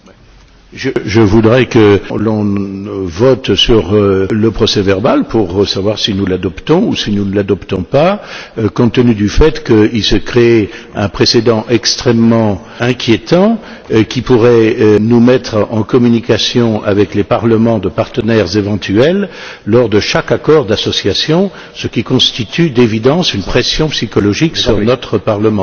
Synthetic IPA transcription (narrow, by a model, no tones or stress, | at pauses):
ʒəʒəvud̪ʁɛkəlɔ̃ | vɔt̪syʁləpχɔsɛvɛʁbalpuʁsavwaʁsinulad̪ɔpt̪ɔ̃usinunəlad̪ɔpt̪ɔ̃pakɔ̃t̪ːənyd̪yfɛt̪kəilsəkχeɛɛ̃pχesed̪ɑ̃ʔɛkst̪χɛmːɑ̃ | ɛ̃kʲjet̪ɑ̃ | kʲipuʁɛnumɛt̪χɑ̰̃kɔmynikasjɔ̃a̰vɛklepaʁləmɑ̃d̪əpaʁt̪ənɛʁzevɑ̃t̪yɛlː | ɔʁd̪əʃakakɔʁd̪asɔsjasjɔ̃ | səkʲikɔ̃st̪it̪yd̪evid̪ɑ̃synpχesjɔ̃psikɔlɔʒiksyʁnɔt̪χəpaʁləmɑ̃